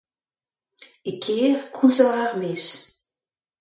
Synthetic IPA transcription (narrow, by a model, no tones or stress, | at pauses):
ekʰeːʁkʰulzaaʁmes